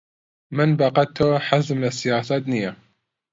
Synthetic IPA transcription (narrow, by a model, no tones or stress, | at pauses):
mənbɑqɑt̪ʰːoħazmlasɪjaːsad̪nɪjːa